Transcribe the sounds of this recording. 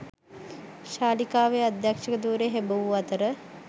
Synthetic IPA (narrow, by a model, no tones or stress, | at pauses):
ʃaːlikaːʋead̪jakʂəkəd̪uːɾeɦebəʋuɐt̪əɾə